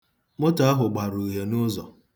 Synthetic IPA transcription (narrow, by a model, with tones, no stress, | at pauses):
mʊ˦ta˦a˦ɦʊ˨ɡ͡ba˨ɾu˨ɦe˨nʊ˦zɔ̰˨